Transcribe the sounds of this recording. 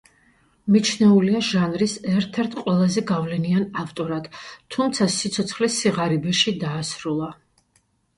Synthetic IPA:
mit͡ʃʰnɛuliaʒanɾisɛɾt̪ʰɛɾt̪ʰqʼwɛlˠazɛɡavlɛnianaft̪ʼɔɾat̪t̪ʰːumt̪sʰasit̪sʰɔt̪sʰχlisiʁaɾibɛʃid̪aːsɾulˠa

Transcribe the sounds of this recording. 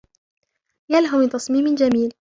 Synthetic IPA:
jalɦʊmɪt̪ɑsˤmiːmɪnd͡ʒamiːl

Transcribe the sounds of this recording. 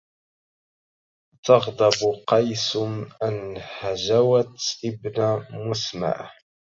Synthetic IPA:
t̪ɑɣd̪ˤɑbqɑjsʊmʔanhaʒawat̪ʔɪbnamʊsma̰ʕ

